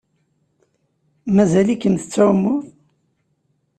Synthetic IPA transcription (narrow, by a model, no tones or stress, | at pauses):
mæzælikːənθə̥t͡sːæwmːʊθ